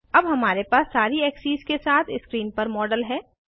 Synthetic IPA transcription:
ɐbɦɐmaːɾepaːsːaːɾiɛːksiːzkesaːt̪ʰɪskɾiːnpɐɾmɔːɖəlɦɛː

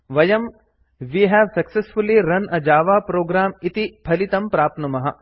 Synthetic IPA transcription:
ʋɐjɐm | ʋiːɦɛːʋsɐksesfuliɾɐnʔɐd͡ʒaːʋaːpɾoːɡɾaːmɪt̪ipʰɐlit̪ɐ̃mpɾaːp̚t̪nɐmɐɦɐ

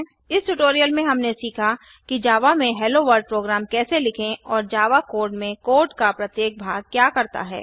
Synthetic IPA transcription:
ɪsʈʊʈoːɾijəlmẽɦɐmnesiːkʰa | kid͡ʒaːʋamẽɦɛːloʋəɾɖ̚pɾoːɡɾaːmkɛːselɪkʰẽɔːɾd͡ʒaːʋakoːɾɖmẽkoːɾɖkapɾɐt̪jeːk̚bʱaːɡ̚kjaːkɐɾt̪a̰ɦɛ̰ː

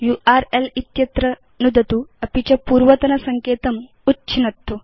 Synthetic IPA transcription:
juʔaɾelit̪jɐt̪ɾɐ | nud̪ʱɐt̪uɐpit͡ɕapuːɾʋɐt̪ɐnɐsɐŋkeːt̪ɐm | utːɕʰinɐt̪ːo

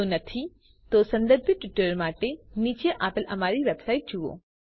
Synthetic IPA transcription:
onɐt̪ʰi | t̪osɐ̃nd̪əɾbʱəʈʋɪʈəɾmaːʈeniːt͡ɕeʔaːpɪlɐmaːɾiʋebsaːɪʈ̚d͡ʒuʋo̰ː

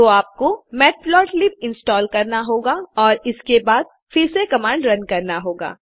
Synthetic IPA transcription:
oːaːp̚komɛːʈ̚blɔːʈlɪp̚ɪ̃nsʈɔːlkɐɾnaɦoːɡaɔːɾɪskebaːd̪̚ | fɪɾsekɐmãːɳɖɾɐnkɐɾnaɦoːɡa̰ː

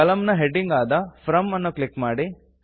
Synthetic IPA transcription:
ɐlɐmnɐɦeɖiŋɡaːd̪ɐpʰɾɐmɐnːuklikːmaːɽi

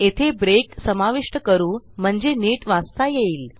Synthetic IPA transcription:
et̪ʰebɾeksəmaʋiʂʈəkəɾuːm̤əɳd͡zeniːʈʋast̪ajeiːl

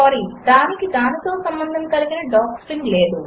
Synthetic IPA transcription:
aːɾiːd̪aːnikid̪aːnit̪o̞ːsɐmbɐnd̪ʱɐmkɐliɡinɐɖaːksɾiŋɡle̞ːd̪u

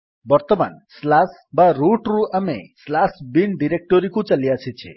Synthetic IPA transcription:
bɔɾt̪ɔma̰nslas | baɾuʈɾuamḛslasbinɖiɾek̚ʈɔɾikũt͡ʃalijat͡ʃʰit͡ʃʰḛ

